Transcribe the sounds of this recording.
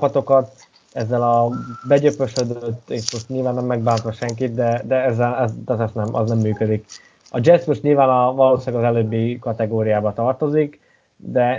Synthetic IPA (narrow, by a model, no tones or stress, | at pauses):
pɒt̪o̞kɒt̪ | ɛzːɛlɒbɛɟøpøʃød̪øt̪ːeːʃmo̞ʃt̪ɲiːlvaːnːɛmːɛɡ̚baːnt̪ʋɒʃɛŋkit̪̚d̪ɛd̪ɛɛzːɛlɛzt̪at̪ɛsnɛmʔɒ̰znɛmːyːkød̪ik | ɒd͡ʒɛsmoʃt̪ɲilvaːnɒvɒloːʃaːɡɒzɛløːbːikɒt̪ɛɡoːɾijaːbɒt̪ɒrt̪o̞zik | d̪ɛ